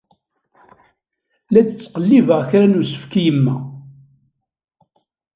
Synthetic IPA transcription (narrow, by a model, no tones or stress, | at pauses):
læt͡sət͡sːqəlːivəʁçɾænusə̥fkijəmːæ